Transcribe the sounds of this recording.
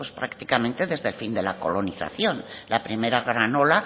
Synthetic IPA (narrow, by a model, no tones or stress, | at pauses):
espɾakt̪ikamẽnt̪e̞ðe̞zðe̞lfind̪e̞lako̞lo̞niθa̰θjo̞nlapɾime̞ɾaɣɾano̞la